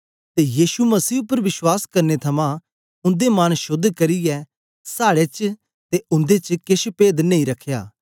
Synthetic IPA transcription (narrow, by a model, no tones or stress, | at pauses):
t̪ejiːsumɐsiːʊpːəɾʋɪswaːskɐɾnet̪ʰɐmã | ʊ̃nd̪emɐnʃʊd̪ʱkɐɾɪjɛ | saːɽet͡ʃ | t̪eʊ̃nd̪et͡ʃkɪʃpeːd̪nẽĩɾɐkʰːja̰ː